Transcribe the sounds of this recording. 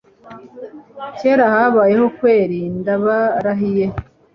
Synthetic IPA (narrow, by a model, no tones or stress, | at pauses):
ceːɾahaβaːje̞ɦo̞kwe̞ːɾiːndaβaɾaɦije